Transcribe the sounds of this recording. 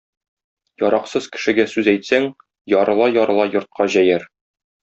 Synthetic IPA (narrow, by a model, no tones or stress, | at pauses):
jɒɾɑqsɤzkɘ̥̆ʃɘ̆ɡæsʉzæjt̪sæŋ | jɒɾɤ̆lˠɑjɒɾɤ̆lˠɑjŏɾt̪̚qʰɑʑæjæɾ